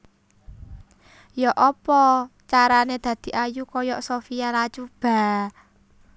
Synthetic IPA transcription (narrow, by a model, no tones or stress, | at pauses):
jɔʔɔpɔt͡ʃaɾaned̪̥ä̤d̪̥i̤ʔajukɔjɔʔsofijalat͡ʃub̥a̤